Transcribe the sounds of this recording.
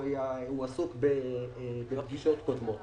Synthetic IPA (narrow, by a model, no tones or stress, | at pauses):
jauasukbebelaɡiʃot̪kod̪mo